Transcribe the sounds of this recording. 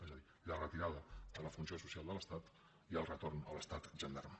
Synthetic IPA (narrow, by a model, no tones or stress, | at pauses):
ezəði | lərət̪iɾaðəd̪ələfunsiosusialˠd̪ələst̪at̪ | iəlˠrət̪ornələst̪at̪ʒənd̪a̰rm